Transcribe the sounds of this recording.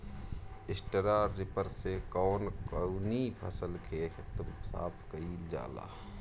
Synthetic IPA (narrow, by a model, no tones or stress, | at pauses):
ɪsʈəɾaːɾɪpəɾsekɔːnkəunipʰə̰səlkʰexɪt̪msa̰ːpʰkəiːld͡ʒa̰ːla̰ː